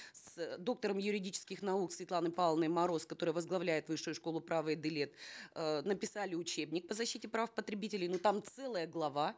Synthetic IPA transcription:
sd̪o̞k̚t̪əɾəmjʊɾʲɪdʲit͡ɕɪ̥skʲɪxnɐuksvʲɪt̪lˠanɨpalˠnɨjmɐɾo̞skɐt̪o̞ɾɨjəvəzɡlˠɐvlʲæjɪt̪vɨʂːɨjʊʂko̞lˠʊpɾavɨjəd̪ɪlʲet̪nəpʲɪsalʲɪʊt͡ɕebnʲɪk̚pəzɐɕːitʲɪpɾafpət̪ɾʲɪbʲitʲɪlʲɪjnot̪amt̪sɛlˠəjəɡlˠɐva

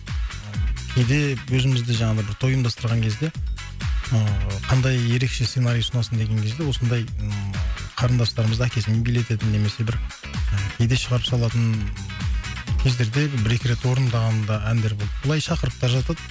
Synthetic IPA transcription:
kʲʰe̞jd̪e̞wɵzɪmɪzd̪ɪʒɑɴɑd̪əbɪɾt̪ʰo̞jəmd̪ɑst̪əɾʁɑŋkʲʰe̞zd̪e̞ | əqʰɑnd̪ɑjːe̞ɾe̞kʃese̞naɾijsʊnɑsənd̪e̞ɡʲe̞ŋkʲʰe̞zd̪ewo̞sənd̪ɑj | qʰɑɾənd̪ɑst̪ɑɾəməzækʲe̞sɪmebele̞t̪e̞t̪ɪnːe̞me̞se̞bɪɾ | əkʲʰe̞jd̪e̞ʃəʁɑɾəpsɑlˠɑt̪ən | kʲʰe̞zd̪e̞ɾd̪e̞bbɪɾekʲɪɾe̞t̪wo̞ɾənd̪ɑʁɑnd̪ɑʔænd̪e̞ɾbo̞lˠəblˠɑjʃɑqəɾəpt̪ɑɾʒɑt̪ɑd̪ə

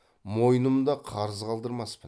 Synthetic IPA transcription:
mo̞jnəmd̪ɑqʰɑɾəzqɑlˠd̪əɾmɑspən

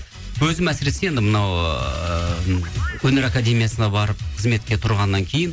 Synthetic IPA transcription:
wɵzɪmæsɪɾe̞sejend̪ɪmənɑwə | wɵne̞ɾakad̪ʲe̞mijasənɑbɑɾəp̚qʰəzme̞t̪̚kʲe̞t̪ʰʊɾʁɑnːɑŋkʲʰe̞jɪn

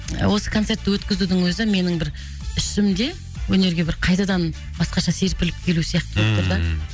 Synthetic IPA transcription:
wo̞sə̥kʰot̪set̪ːɪwɵt̪kʲɪzud̪ɪŋwɵzɪme̞nɪŋbɪɾ | ʏʃɪmd̪e̞ | wɵne̞ɾɡʲe̞bɪɾqʰɑjt̪ɑd̪ɑn | bɑsqɑʃɑse̞ɾpɪlɪp̚kʲʰe̞lusijɑqt̪əbopt̪əɾd̪ɑ

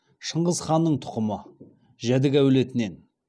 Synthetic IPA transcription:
ʃəɴʁəzχɑnːəɴt̪ʰʊ̥qəmə | ʒæd̪ɪkæwle̞t̪ɪne̞n

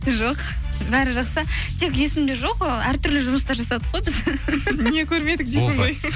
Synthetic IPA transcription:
ʒoq | bæɾɪʒɑqsət̪ʰe̞kʲje̞sɪmd̪e̞ʒo̞qəæɾt̪ʰʏɾlɪʒʊməst̪ɑɾʒɑsɑd̪əqʁo̞jbɪzne̞kʲʰɵɾme̞d̪ɪk̚d̪ej̪ɪɴʁo̞j

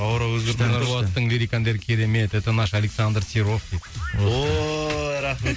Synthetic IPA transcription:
ɑwɾɑwɵzɡʲeɾt̪enɾlˠɑəɴlʲiɾikand̪eɾkʲʰe̞ɾe̞me̞t̪et̪ənɑʃalʲeksand̪rsʲiɾoft̪ʲid̪o | am

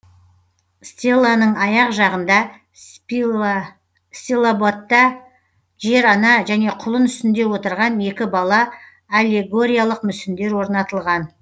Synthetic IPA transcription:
st̪ʲelˠːanəɴɑjɑqʒɑʁənd̪ɑ | st̪ʲilˠabot̪ːɑ | ʒe̞ɾɑnɑʒæne̞qʰʊlˠənʏst̪ɪnd̪e̞wo̞t̪əɾʁɑne̞kʲɪbɑlˠɑː | lʲe̞ɡo̞ɾʲijalˠəqmʏsɪnd̪e̞ɾwo̞ɾnɑt̪əlˠʁɑn

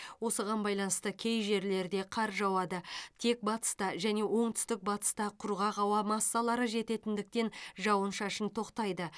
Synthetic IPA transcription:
wo̞səʁɑnbɑjlˠɑnəst̪əkʲʰe̞jʒe̞ɾle̞ɾd̪e̞qʰɑɾʒɑwɑd̪ət̪ʰe̞k̚bɑt̪ə̥st̪ɑʒæne̞wʔo̞ɴt̪ʰʏ̥st̪ɪk̚bɑt̪ə̥st̪ɑqʰʊɾʁɑʁɑwɑmɑsːɑlˠɑɾəʒe̞t̪e̞t̪ɪnd̪ɪk̚t̪e̞nʒɑwənʃɑʃənt̪ʰo̞qt̪ɑjd̪ə

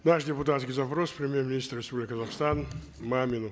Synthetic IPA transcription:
naʂdʲɪpʊt̪at̪skʲijzɐpɾospɾʲɪmʲjermʲɪnʲist̪rrʲɪspublʲɪkʲɪkəzɐχst̪an | mamʲɪnʊ

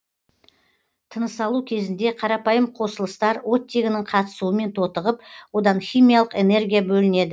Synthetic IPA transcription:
t̪ʰənəsɑlˠukʲʰe̞zɪnd̪e̞qʰɑɾɑpɑjəmqʰo̞səlˠəst̪ɑɾwo̞t̪ːeɡʲɪnɪɴqʰɑt̪ə̥suəme̞nt̪ʰo̞t̪əʁəp̚wo̞d̪ɑnχʲijmijɑlˠəqe̞ne̞ɾɡʲijabɵlɪne̞d̪ɪ

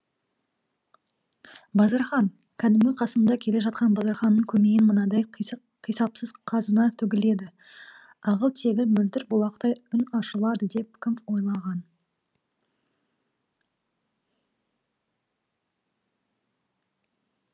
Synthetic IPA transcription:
bɑzɑɾχɑn | kʲʰæd̪ɪmɡʲɪqʰɑsəmd̪ɑkʲʰe̞le̞ʒɑt̪̚qɑnbɑzɑɾχɑnːəɴkʲʰɵme̞jɪnmənɑd̪ɑj | qʰijsɑpsəzqʰɑzənɑt̪ʰʏɡʲɪle̞d̪ɪ | ɑʁəlˠt̪ʰe̞ɡʲɪnmʏld̪ɪɾbʊlˠɑqt̪ɑjʏnɑʃəlˠɑd̪əd̪e̞p̚kʲʰɪmfwo̞jlˠɑʁɑn

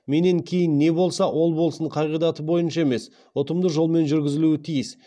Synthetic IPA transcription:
me̞ne̞ŋkʲʰe̞jɪnːe̞bo̞lˠsɑwʔo̞lˠbolˠsəɴqʰɑʁijd̪ɑt̪əbo̞jənʃɑe̞me̞s | ʊt̪əmd̪əʒo̞lˠme̞nʒʏɾɡʲɪzɪluɪt̪ʰijɪs

